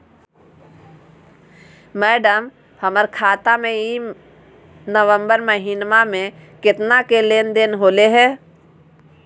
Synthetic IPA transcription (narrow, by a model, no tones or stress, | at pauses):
mɛːɖəm | həməɾkʰaːt̪amẽi | nəʋə̃mbəɾməɦinmamẽkɪt̪nakeleːnd̪eːnɦoːleɦɛː